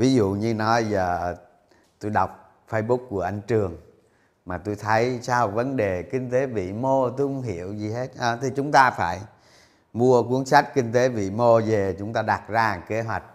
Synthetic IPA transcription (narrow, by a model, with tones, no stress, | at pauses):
vi˨˦zṵ˧˨ɲɨ˧nɔ˨˦jzəː˨˩ | t̪o˧jɗa˨˩wk͡p̚ | fə˧jɓu˦˥kku˧˩əʔa˧jŋ̟t͡ɕɨ˨˩əŋ | maː˨˩t̪o˧jt̪ʰə˨˦jsaː˧wvə˨˦nɗe˨˩kï˧ŋ̟t̪e˨˦vḭ˧˨mo˧t̪o˧kʊ˨˦ŋ͡mɦi˧˩˨əwzi˨˩ɦe˦˥t̚ʔəː˨˩t̪ʰi˨˩t͡ɕʊ˨˦ŋ͡mt̪aː˧faː˧˩j | mu˧ək̬u˨˦ənsa˦˥jk̟̚kï˧ŋ̟t̪e˨˦vḭ˧˨mo˧ze˨˩t͡ɕʊ˨˦ŋ͡mt̪aː˧ɗa˨˩t̚zaː˧˨˩ke˨˦ɦwa˨˩jk̟̚